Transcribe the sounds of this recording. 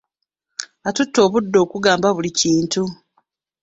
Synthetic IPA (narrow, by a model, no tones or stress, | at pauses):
atutːo̞ːβudːo̞ːkuɡaːmbaβuliciːntu